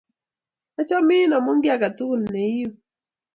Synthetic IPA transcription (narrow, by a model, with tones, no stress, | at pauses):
a˦t͡ʃɔ˦mɪ˦nɔ˨mo˦ŋɡja˦˨ka˨t̪u˦˨lne˨˦ju˦